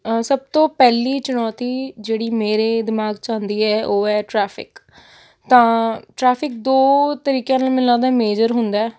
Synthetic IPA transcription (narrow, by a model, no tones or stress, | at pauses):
səb̚t̪õːpɛːliːt͡ʃʊnɔːt̪iːd͡ʒeːɽiːmeːɾeːd̪ɪmaːɡt͡ʃãːnd̪iːɛːʔoːɛːʈɾɛːpʰɪ̰k | t̪ãːʈɾɛːpʰɪk̚d̪oːt̪əɾiːkjãːnaːlmɪlãːd̪aːmeːd͡ʒəɾɦʊnd̪aːɛː